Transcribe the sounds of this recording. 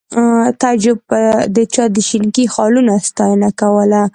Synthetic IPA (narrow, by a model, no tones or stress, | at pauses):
t̪ad͡ʒʊb̚d̪ət͡ʃɑd̪əʃɪnkixɑlunast̪ɑjənakawəla